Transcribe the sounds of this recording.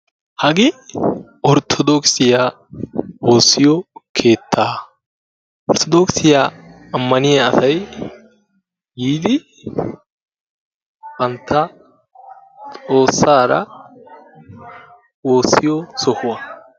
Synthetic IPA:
hɐɡɪ | ʔɔɾt̪ʰɔd̪ɔksɪjaː | wo̞ːsːɪjɔkʰe̞ːt̪ʰːaː | ʔɔɾt̪ʰɔd̪oksɪjaː | ɐmːɐnɪjɐɐsɐj | ɡiːd̪ɪ | b̥ɐnt̪ːɐ | t͡sʼo̞ːsːaːɾɐ̰ | wo̞ːsːɪjɔsɔhʊwɐ

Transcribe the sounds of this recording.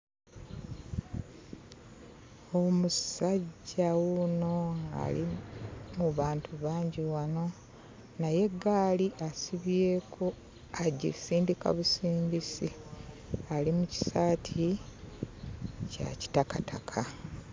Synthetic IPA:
o̞musaɟːawuno̞ŋɡa̰lḭmuβaːntʰuβaːɲɟiwano̞ | naje̞ɡaːliʔasiβje̞ːkʰo | aɟḭsiːndika̰βusiːmbisi | alimuci̥saːtʰi | ca̰ci̥takatʰakʰa

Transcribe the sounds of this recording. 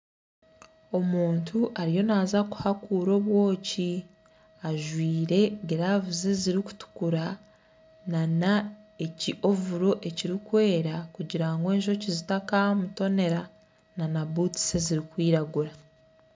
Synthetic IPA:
o̞muːntʰuʔaɾijo̞naːzaku̥hakuːɾo̞βwo̞ːci | aʒwiːɾe̞ɡeɾavuze̞ziɾiku̥tu̥kuɾa | nanae̞ciʔo̞vuɾo̞ʔe̞ciɾikwe̞ːɾakuɟiɾaŋɡe̞ːɲʒo̞cizitakamuto̞ne̞ɾa | nanabuti̥se̞ziɾikwiːɾaɡuɾa

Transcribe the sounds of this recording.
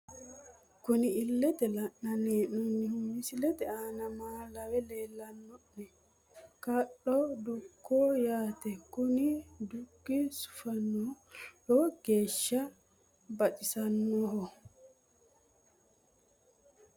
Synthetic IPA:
kuniːlːɛt̪ɛlanːanɛnunːihumisilɛt̪ɛanamaːlawɛlɛːlːanːɔɗɛ | kaɗːɔdukʰːɔjaːt̪ɛkunid̪uɡːisu̥fanːɔhɔɡ̥eːʃːa | bat͡ʃisanːɔhɔ

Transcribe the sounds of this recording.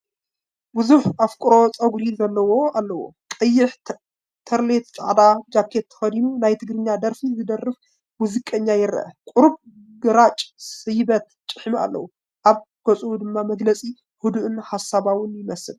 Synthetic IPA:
bɨzuħafkʼʊɾo̞t͡sʼɐɡɾizɐlːɐwo̞alːɐwo̰kʼɐjːɪħ | t̪ʰɐɾlet̪̚t͡ʃʼa̰ʕd̪ad͡ʒakʰet̪ʰːɐ̥fɐd̪inunajt̪ʰɨɡɾɨɲːad̪ɐɾfizɨd̪ɐrːɨf | bʊzɨkʼɐɲːajɪɾɐ̰ʔɐ̰kʼuɾb | ɡɐɾat͡ʃʼsɨjbɐt̪t͡ʃʼːɨħma̰lːɐ̰wu | ʔaβ | ɡ̥ot͡sʼuwud̪ɨmːamɐɡlɐt͡sʼi | hud̪uʔɨnħasaβawɨnjɪmɐsɨl

